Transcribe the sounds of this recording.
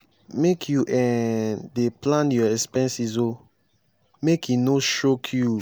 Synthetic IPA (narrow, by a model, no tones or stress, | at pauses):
mekʰjuʔɛ̃deplãnjɔɛspɛ̃nsizo | mekʰjunoʃokʰju